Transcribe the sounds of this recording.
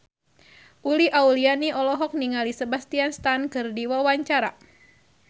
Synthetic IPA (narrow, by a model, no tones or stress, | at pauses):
ʔuliʔaulianiʔɔlɔɦɔk̚niŋalisəbast̪ianst̪ankɨrdiwawaɲt͡ʃaɾa̰